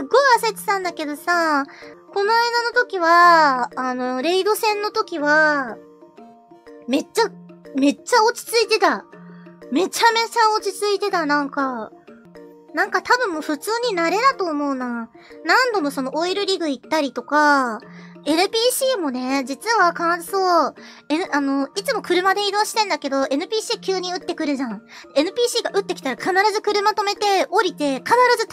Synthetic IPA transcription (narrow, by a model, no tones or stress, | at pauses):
ɨɡo̞iaset͡ɕi̥sãnd̪ake̞d̪o̞sako̞noaid̪ano̞t̪o̞kʲiβaː | no̞ɾe̞id̪o̞sẽ̞nːo̞t̪o̞kʲiβa | me̞t͡ɕːame̞t͡ɕːao̞t͡ɕi̥t͡sɨit̪e̞t̪a | me̞t͡ɕame̞t͡ɕao̞t͡ɕit͡sɨit̪e̞t̪anãŋka | nãŋkat̪abɯ̟̃mːo̞ːɸɯ̟t͡sɨːɲ̟inaɾe̞d̪at̪o̞ːmo̞ɯna | nãnd̪o̞mo̞so̞no̞ʔoiɾɯ̟ɾʲiɡɯ̟it̪ːaɾʲit̪o̞ka | e̞nɯ̟pʲiːɕiːmo̞ne̞d͡ʑit͡sɨβakãnzɨsoː | e̞nɯano̞it͡sɨmo̞kɯ̟ɾɯ̟mad̪e̞id̪o̞ːɕi̥t̪ẽ̞nd̪ake̞d̪o̞e̞nɯ̟pʲiːɕiːkʲɨːɲ̟iɯ̟t̪ːe̞kɯ̟ɾɯ̟ʑãɴd̪enɯ̟pʲiːɕiːɡaʔɯ̟t̪ːekʲi̥t̪aɾakʰanaɾazɨkɯ̟ɾɯ̟mat̪o̞me̞t̪e̞o̞ɾʲit̪e̞kanaɾazɨ